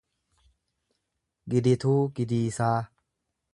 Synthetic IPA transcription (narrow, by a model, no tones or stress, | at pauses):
ɡɪd̪ɪt̪uːɡɪd̪iːsaː